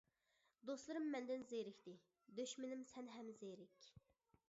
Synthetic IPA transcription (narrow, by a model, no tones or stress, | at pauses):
d̪oslˠɨɾɨmːɛnd̪ɪnzejɾɪkʲt̪ɪ | d̪øʃmɪnɪmsɛnɦɛmzejɾɪkʲ